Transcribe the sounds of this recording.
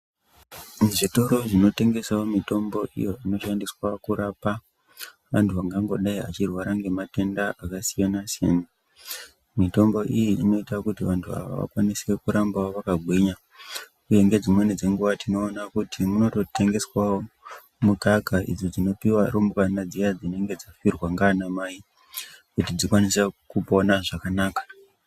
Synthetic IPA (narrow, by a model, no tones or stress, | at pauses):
ʐito̞ɾo̞ʐino̞te̞ŋɡe̞saomito̞mbo̞ʔḭjo̞ino̞ʃandiswakuɾapa | ʋantʰuʋaŋɡaŋɡo̞ɗaia̰t͡ʃirwaɾaŋɡe̞mate̞ndaʔakasijanasjena | mito̞mbo̞ʔijiino̞itakutiʋantʰua̰ʋa̰ʋa̰kwanisekuɾambaoʋakaɡʱwiɲa | kuje̞ŋɡe̞d͡zimwe̞nid͡ze̞ŋɡuʋatʰino̞ːnakutʰimuno̞to̞te̞ŋɡe̞swao | mukakaʔḭd͡zod͡zino̞piwaɾombkanad͡zijad͡zine̞ŋɡe̞d͡zafirwaŋɡaːnamaːi | kutid͡zikwanisekuponaʐakanaːkḁ